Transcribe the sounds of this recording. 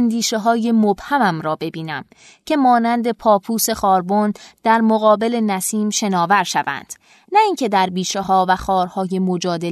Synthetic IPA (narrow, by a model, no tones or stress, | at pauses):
nd̪iːʃeɦɒːje̞mob̥hæmæmɾɒːbe̞biːnæm | cʰe̞mɒːnænd̪e̞pʰɒːpʰuːse̞xɒːɾbond̪̥æɾmoɣɒːbe̞le̞næsiːmʃe̞nɒːvæɾʃævæ̰nd̪̥ | næiːŋcʰe̞d̪æɾbiːʃeɦɒːvæxɒːɾhɒːje̞mod͡ʒɒːd̪e